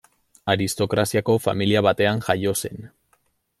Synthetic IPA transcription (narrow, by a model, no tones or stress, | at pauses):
aɾist̪o̞kɾasiako̞familiaβat̪e̞aŋʝajo̞se̞n